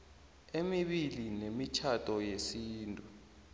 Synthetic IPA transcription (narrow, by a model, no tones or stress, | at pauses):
emiɓilinemit͡ʃʰatʰʼɔjesiːntʼu